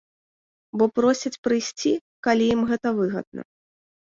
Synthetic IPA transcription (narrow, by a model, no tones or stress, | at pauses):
bɔpɾɔsʲɐt͡sʲpɾɨjsʲt͡sʲi | kalʲijimɣɛt̪ɐvɨɣɐ̰d̪̚nɐ̰